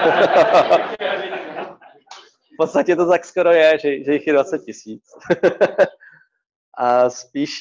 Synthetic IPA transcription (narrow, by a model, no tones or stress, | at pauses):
fpot̪st̪acɛt̪ot̪akskoɾo̞jɛʒɛʒɛjɪxjɛdvat͡sɛt̪̚cɪsiːt͡s | ʔaspiːʃ